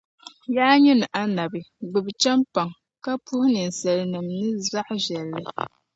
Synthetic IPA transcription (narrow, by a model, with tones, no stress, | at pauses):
jaː˦ɲɛ˦nɨ˨ʔa˦na˨bɨ˨ɡ͡bɨ˨bt͡ʃɛ˦mpa˨ŋ | ka˦pu˦hʊ˦nɨ˨n̩˨sɛ˨lɪ˨nɨ˨mnɨ˦za˦ʔʒɛ˨lːɨ˦